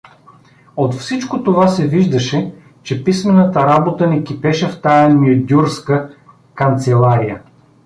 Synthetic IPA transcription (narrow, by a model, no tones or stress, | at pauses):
ot̪fsit͡ʃkot̪ovasɛviʒd̪ɐʃɛ | t͡ʃɛpismɛnət̪əɾabot̪ənɛkʲipɛʃɛft̪ajənʲiʊd̪ʲuɾskə | kɐnt̪sɛlˠaɾijə